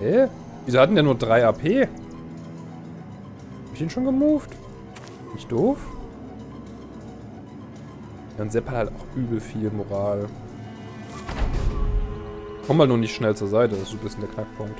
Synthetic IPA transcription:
ʔɛ | viːzohatn̩djaːnuːɐdʁaɪaːpʰeː | hhabɪçiːnʃoːnɡəmuːft | nɪçt̚d̥oːf | jaːʊnzɛphalhaltaʊxʔyːbl̩fiːlmoʁaːl | kʰɔmhaltnuːɐnɪçtʃnɛlt͡suːɐzaɪtəd̥asd̥uːbɪstnd̥eɐkʰnak̚pʰʊŋkt

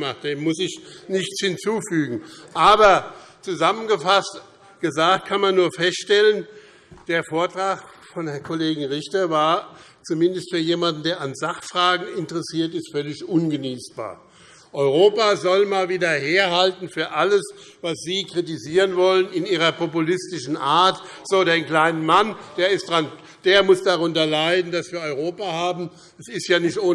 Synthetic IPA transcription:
maχtd̥eːmʊsɪçnɪçt͡shɪnt͡suːfyːɡŋ̩ʔaːbɐt͡suzamənɡəfast | ɡ̥əzaːkt̚kʰanmanːuːɐfɛstʃtɛlən | d̥eːɐfoːɐtʁ̥aːχfɔnhɛɐkʰoleːɡŋ̩ʁɪçtɐvaːɐ | t͡sumɪndəstfyːɐjeːmandn̩deːɐʔanzaχfʁ̥aːɡŋ̩ɪntəʁəsiːɐtɪstfœlɪçʔʊnɡəniːsb̥a̰ːɐ | ʔɔʏʁoːpazɔlmaːlviːdɐheːɐɦaltn̩fyːɐʔaləs | vasz̥iːkʁ̥itiziːʁənvɔlənɪniːʁɐpʰɔpulɪstɪʃn̩ʔaːɐt | z̥oːdeːnkl̥aɪnəmand̥eːɐɪstd̥ʁan | d̥eːɐmʊsd̥aʁʊntɐlaɪdn̩dasv̥iːɐɔʏʁoːpahaːbm̩ | ɛsɪstjaːnɪçtʔoː

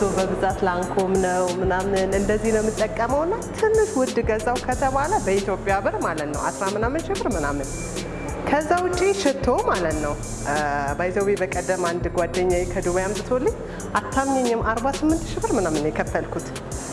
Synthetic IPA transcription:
t̪ʰobəbɨzʼat̪laŋkʰomnəwmɨnamnɨnɨnd̪əzːihnəwmɨt̪ʼːəkʼːəməwɨnːat̪ʰɨnːɨkwʊd̪ɨɡəzʼawkʰət̪ʰəβaləbəit̪ʰjo̞pʼːjaβɨɾmalət̪nə̰wa̰sɾamɨnamːɨnʃɪβɨɾmɨnamːɨn | kʰəzːawʊt͡ʃʼːiʃɪt̪ʰːomalət̪nəw | bajizəwwebəkʼəd̪ːəmand̪ɡʷwad̪ːəɲːajkʰəd̪uβjambɨt̪ʰolːɨɲː | ʔat̪ʰːamɲɛɲːɪmaɾbasɨmːɨnt̪ʃɪbɨɾmɨnamːɨnjɛkʰət̪ːəlkʰut̪

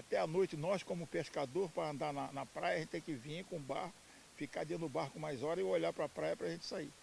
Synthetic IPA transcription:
at̪ɛɐnojt͡ʃɪnɔskõmʊpeskad̪oɾpɾɐɐ̃nd̪anɐnɐpɾajɐʒẽt͡ʃ̪ɪt̪ẽj̃kɪvĩkõũbahkʊ | fikad̪ẽd̪ʊʊbaɾkʊmajzɔɾɐɪoʎapɾɐpɾajɐpɾɐʒẽnt͡ʃɪ̥sai

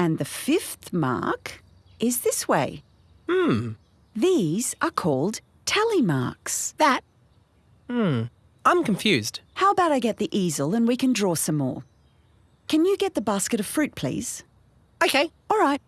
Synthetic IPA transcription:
ɨ̃nðɨfɪfθmɑ̰ɹk | ɪzðɪsweɪ | m̩ | ðiz̥ə˞kʰɔlˠd | tʰɛlˠimɑ̰ɹksðɨt̚ | m̩ | ʔãɪ̃mkʰɱfjʉzd̥haʊəbaʊɾaɪɡɛt̪̚ðiʔizl̩ˠə̃nwikɨ̃ndɹɔsʌ̃mːɔ̰ɹ | kʰɨ̃njɨɡɛt̪̚ðəbaskɨɾʌv̥fɹʉt̚pʰl̥ḭz̥ | oʊkʰeɪ | ɔlˠɹaɪt̚

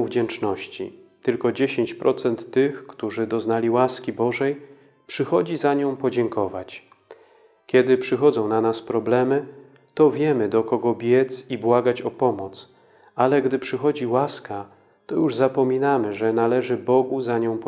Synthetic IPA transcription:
vd͡ʑɛnt͡ʂnɔɕt͡ɕḭt̪ɘlkɔd͡ʑeɕeɲt͡ɕpɾʔɔt̪sɛnt̪ːɘxkt̪uʐɘd̪ɔznalʲiwaskʲibɔʐɛj | pʂɘxɔd͡ʑizaɲɔ̃w̃pɔd͡ʑɛŋkɔvat͡ɕ | kʲjɛd̪ɘpʂɘxɔd̪zɔ̃w̃nanaspɾɔblɛmɘ | t̪ɔvʲjɛmɘd̪ɔkɔɡɔbʲjɛt̪sibwaɡat͡ɕɔpɔmɔt̪s | alɛɡd̪ɘpʂɘxɔd͡ʑiwaska | t̪ɔjuʐzapɔmʲinamɘʐɛnalɛʐɘbɔɡuzaɲɔ̃w̃pɔ

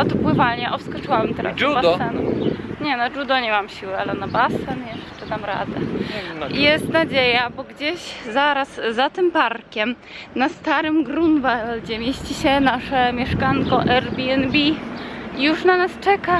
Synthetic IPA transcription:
ɔt̪pwɘvalɲɛʔɔfskɔt͡ʂɨwabmt̪ɛɾa̰sbaɛnṵɲɛnaʐud̪ɔɲɛmamɕiwɘalɛnabasɛnjɛʂtɛt̪amɾa̰d̪ɛ̰ | jɛst̪nad͡ʑejabɔɡd͡ʑeɕzaɾasːat̪ɘmpaɾkʲɛm | nast̪aɾɘmɡɾunvald͡ʑɛmʲjeɕt͡ɕiɕɛnaʂɛmʲjɛʂkaŋkɔʔɛɾbʲiɛnbʲiijuʂnanast͡ʂɛka

